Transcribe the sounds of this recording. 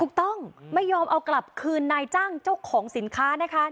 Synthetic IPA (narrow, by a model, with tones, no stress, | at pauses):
t̪u˨˩k̚t̪ɔ˥˩ŋma˥˩jːɔː˧mʔa˧wkla˨˩p̚kʰɯː˧nːaː˧jt͡ɕaː˥˩ŋt͡ɕa˥˩wkʰɔː˩˦ŋsi˩˦nkʰaː˦˥na˦˥kʰa˦˥